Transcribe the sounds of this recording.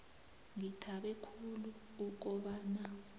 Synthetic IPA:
ŋitʰaɓɛkʰuluː | k̬ɔɓaːna

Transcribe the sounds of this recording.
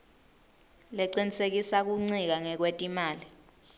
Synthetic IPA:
lɛǀinisek̬isak̬uŋ͡ǀik̬aŋɛk̬wetʼimaːli

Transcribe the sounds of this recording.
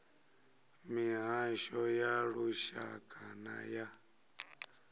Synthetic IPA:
miɦaʃɔjaɺuʃa̰kʰʼana̰ja

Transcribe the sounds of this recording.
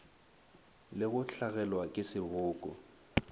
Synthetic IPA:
lɪɣʊɬaɣɛlwakʼɪsɪbʊːkʼɔ

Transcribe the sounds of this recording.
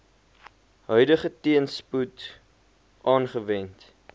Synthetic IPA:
ɦœɥdəχətiənsput | ʔɑːnχəvɛnt

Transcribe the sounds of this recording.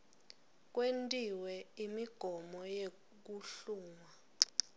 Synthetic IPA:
k̬ʼwentʼiwɛimiɡ̥ʱɔmɔje | k̬uɬuːŋa

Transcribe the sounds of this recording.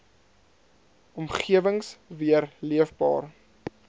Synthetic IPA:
ʔɔmχiəvəŋsviərliəfbɑ̰ːr

